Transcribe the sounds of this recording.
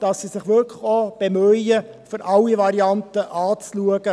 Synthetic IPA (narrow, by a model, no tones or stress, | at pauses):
d̥ɑssisɪχʋʏɾkʰləχob̥emœə | fʏɾʔɑlːiʋɑɾiɑntəʔɑːt͡sluəɡ̥ə